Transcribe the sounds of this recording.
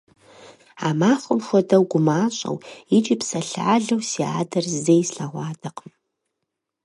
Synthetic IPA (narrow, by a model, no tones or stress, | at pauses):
a̰ːmaːχʷʊmxʷɔdɐwɡʷʊmaːɕʼɐ̰wit͡ʃʼiːpsɐɬa̰ːɮɐwsia̰ːdɐrzejsɬaʁʷɑːdɐqm